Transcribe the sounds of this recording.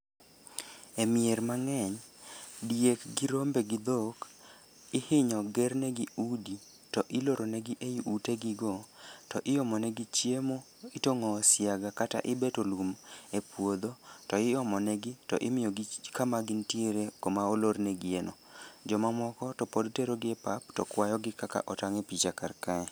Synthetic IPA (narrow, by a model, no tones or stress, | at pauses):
emieɾmaŋɛɲdiekɡɪɾombeɡɪd̪ok | ɪhɪɲɔɡɛrnɛɡiudi | tɔʔɪloɾonɛɡɪʔejuʔuteɡɪɡɔtɔʔɪjɔmɔnɛɡit͡ʃjemo | ɪtoŋɔːsjaɡakata̰ʔɪbetolumepwod̪otɔɪjɔmɔnɛɡɪtɔ̰ʔɪmɪjɔɡikamaɡɪntjeɾekomaoloɾnɛɡɪenod͡ʒɔmamɔkɔtɔpodteɾoɡɪɛpap̚tɔ̰kwajɔɡɪkaka̰ʔɔtaŋɛpit͡ʃakarkaɛ